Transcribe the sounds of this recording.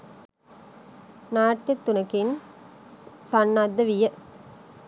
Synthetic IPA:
naːʈːɐt̪ːunɐkin | sanːad̪ːɐʋijə

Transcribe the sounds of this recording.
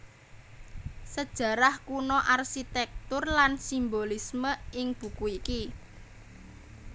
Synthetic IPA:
səd̥ʒ̥ä̤ɾahkunɔʔarʃit̪ɛk̚t̪ʊrlansimbolisməɪŋb̥ṳkuiki

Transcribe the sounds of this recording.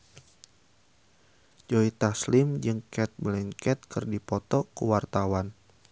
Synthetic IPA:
d͡ʒoit̪aslɪmd͡ʒɨŋkɛt̪̚mlɛnkɛt̪̚kɨrdipɔt̪ɔkuwart̪awan

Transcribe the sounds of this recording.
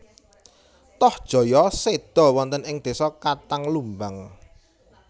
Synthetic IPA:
t̪ɔhd̥ʒ̥ɔ̤jɔsed̪̥ɔ̤wɔnt̪ənɪŋd̪̥e̤sɔkat̪aŋlumbaŋ

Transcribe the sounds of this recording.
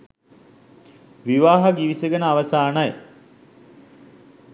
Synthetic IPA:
ʋiʋaːɦɐɡiʋisəɡənəaʋɐsaːnaj

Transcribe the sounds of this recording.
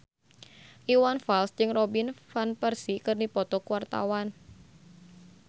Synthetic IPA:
ʔiwanfalsd͡ʒɨŋrɔbinfanpərsikɨrnipɔt̪ɔkwart̪a̰wan

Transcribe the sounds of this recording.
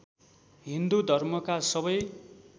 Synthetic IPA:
ɦind̪ud̪ʱʌrmʌkasʌβʌj

